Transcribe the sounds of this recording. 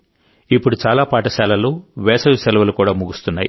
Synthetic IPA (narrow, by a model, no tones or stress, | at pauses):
ipːuɽut͡ʃaːlaːpaːʈɐsaːlɐluʋɛːsɐʋisɛlɐʋɐlukuːɽaːmuɡust̪unːaːjḭ